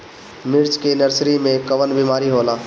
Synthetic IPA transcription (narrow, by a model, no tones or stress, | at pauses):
mɪɾt͡ʃkenəɾsɾimẽkɐʋənbiːmaːɾiɦoːlaː